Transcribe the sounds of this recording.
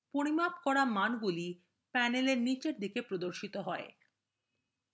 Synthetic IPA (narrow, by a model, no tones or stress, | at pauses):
poɾimapkɔɾamanɡuli | pɛneleɾnit͡ɕeɾd̪ikepɾod̪oɾʃit̪oɦɔe